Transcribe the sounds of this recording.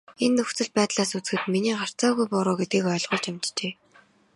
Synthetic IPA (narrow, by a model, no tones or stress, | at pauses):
enːɵxt͡sɘ̆ɮ̚pæːt̪ɮaːsut͡s̆xɘ̆t̪miniːɢar̥t͡saːɣujpʊɾʊːɡet̪ɡiːkœːɮʁʊːɮt͡ɕamʲt͡ɕt͡ɕeː